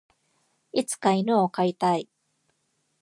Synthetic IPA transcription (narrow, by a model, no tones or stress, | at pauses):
it͡sɨ̥kainoːkait̪ai